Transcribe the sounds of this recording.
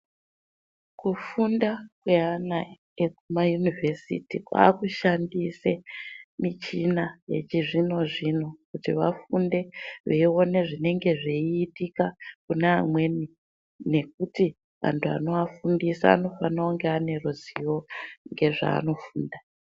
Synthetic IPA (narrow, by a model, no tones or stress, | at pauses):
kufundakweana | ekumajunivʱesḭtika̰ːkuʃandisemit͡ʃinaje̞̰t͡ʃiʐino̞ʐino̞kutiʋa̰funde̞ʋeio̞ne̞ʐine̞ŋɡe̞ʐeiːtikakunaːmwe̞ni | ne̞k̚uti | ʋa̰ntʰua̰no̞afundisa̰ːno̞fanaoŋɡeane̞roziwoŋɡe̞ʐa̰ːno̞fuːnda